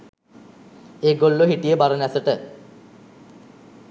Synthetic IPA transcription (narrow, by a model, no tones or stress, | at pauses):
eːɡolːoɦiʈijəbaɾənæsəʈə